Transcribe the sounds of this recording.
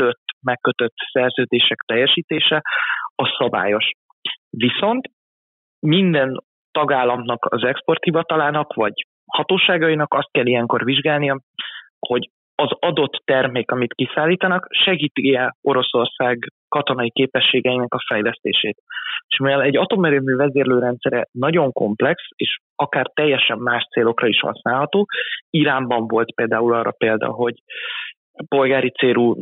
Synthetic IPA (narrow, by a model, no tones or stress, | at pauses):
øt̪ːmɛkːøt̪øt̪ːsɛrzøːd̪eːʃɛkt̪ɛjːɛʃiːt̪eːʃɛɒsɒba̰ːjo̞ʃ | viso̞nt̪ | mind̪ɛn | t̪ɒɡaːlːɒmnɒkɒzɛkspo̞rt̪hivɒt̪ɒlaːnɒkvɒɟ | hɒt̪oːʃaːɡɒjinɒkɒst̪̚kɛlːijɛŋko̞rviʒɡaːlnijɒ | ho̞ɟ | ɒzɒd̪o̞t̪ːɛrmeːkɒmit̪kisaːlːiːt̪ɒnɒkʃɛɡiːt̪iɛo̞ɾo̞so̞rsaːɡkɒt̪o̞nɒikeːpɛʃːeːɡɛinɛkɒfɛjlɛst̪ḛːʃeːt̪eʃmiɛlɛɟːɒt̪o̞mɛɾøːmyːvɛzeːrløːɾɛnt̪sɛɾɛnɒɟo̞ŋko̞̰mplɛkseːʃ | ɒkaːrt̪ɛjːɛʃɛmːaːʃt̪seːlo̞krɒiʃhɒ̰snaːlɦɒt̪oːiɾaːmbɒɱvo̞lt̪peːld̪aːulɒːrːɒ̰peːld̪ɒ̰ɦo̞ɟ | po̞lɡaːɾit̪seːɾu